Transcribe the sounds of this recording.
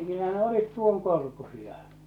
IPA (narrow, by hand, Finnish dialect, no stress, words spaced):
kylːæ ne olit tuoŋkorkusiɑ